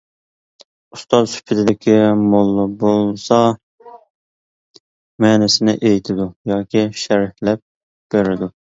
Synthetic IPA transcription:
ust̪ɑzsy̥pʰɪt̪ʰɪd̪ɪkʲʰimolˠːʊbolˠsɑ | mɛːnɪsɪnɪʔejt̪ʰɪd̪ujɑːkʲiʃæɾɪhlɛp̚ | b̥eɾɪd̪u

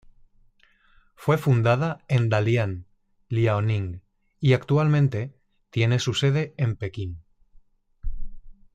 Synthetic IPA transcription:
fwe̞fund̪að̞aend̪aljan | liaonĩŋɡ | iakt̪ualmẽnt̪e̞ | t̪je̞ne̞suse̞ð̞e̞empe̞kin

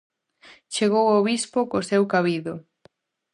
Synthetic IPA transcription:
t͡ʃeɣowoβispokosewkaβiðʊ

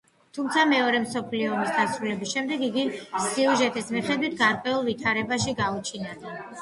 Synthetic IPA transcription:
t̪ʰumt̪sʰamɛɔɾɛmsɔpʰliɔːmisɡ̪asɾulɛbisʃɛmd̪ɛɡiɡisiuʒɛt̪ʼismiχɛd̪wit̪ʰɡaɾqʼwɛulˠvit̪ʰaɾɛbaʃiɡaut͡ʃʰinad̪a

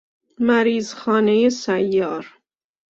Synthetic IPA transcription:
mæɾiːzxɒːnejesæjːɒːɾ

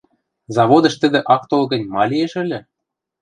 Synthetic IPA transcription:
zɑβod̪ɤ̆ʃt̪ɘ̆d̪ĕʔɑk̚t̪olɡɤ̆nʲmɑlʲijeʃɘ̆lʲɘ̆

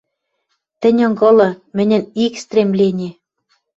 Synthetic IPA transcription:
t̪ɘ̆nʲoŋɡɤ̆lɤ̆mɘ̆nʲɘ̆nikst̪rʲemlenʲe

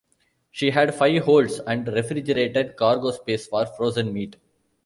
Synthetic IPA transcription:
ʃiːɦæɖfaɪʋɦoːlɖsɛ̃ɳɖɾefɾid͡ʒəɾeːʈeɖkaːɾɡoːspeːsfɔːɾfɾoːzə̃nmiːʈ

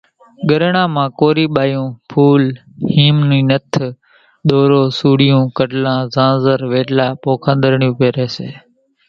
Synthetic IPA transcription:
ɠəɾɳãːmãːkoːɾiːɓaːjũːpʰuːl | hiːmniːnət̪ʰ | ɗ̪oːɾoːsuːɽɪjũːkəʈlãːzãːzəɾʋeːʈlaːpoːkʰãːnd̪əɾɳjũːpeːɾeːseː

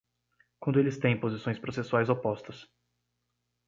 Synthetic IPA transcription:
kwɐ̃nd̪ʊelɪst̪ẽj̃pozisõj̃spɾosesuajzopɔst̪ɐs

